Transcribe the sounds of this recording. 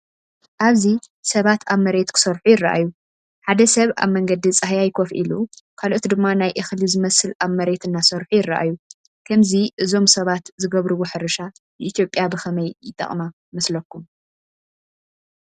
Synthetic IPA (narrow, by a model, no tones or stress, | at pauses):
ʔaβzi | sɐβat̪ʰaβmɐɾe̞t̪kʰɨ̥sɐɾħujɪrːaʔa̰jːu | ħad̪ɐsɐβa̰βmɐŋɡɐd̪it͡sʼɨhjajkʰofʔḭlukʰalʔot̪d̪ɨmːanajʔɨxlizɨmɐsɨlaβmɐɾe̞t̪ʰɨnːasɐɾħujɪrːa̰ʔa̰ju | kʰɐmziʔɨzo̞msɐβat̪zɨɡɐβɾɨwoħɨɾɨʃa | nɨʔit̪ʰjo̞pʼːjabɨxɐmɐjjɪt̪ʼɐ̰χʼma | mɐslɐkːum